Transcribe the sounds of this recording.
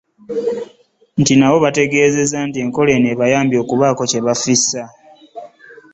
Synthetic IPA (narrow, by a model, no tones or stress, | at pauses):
ntinaβo̞βate̞ɡe̞ːze̞zantie̞ŋko̞le̞neβajaːmbjo̞ːkuβaːko̞ce̞βafisa